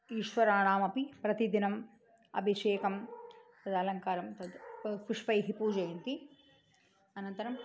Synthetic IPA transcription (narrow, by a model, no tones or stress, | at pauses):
iːʃʋɐɾaːɳaːmɐpipɾɐt̪id̪inɐm | ɐ̰bʱiʃeːkɐmt̪ɐd̪ɐlɐŋkaːɾɐmt̪ɐd̪kɾiʂpɐjɦipuːd͡ʒɐjɐnt̪i | ɐnɐnt̪ɐɾɐm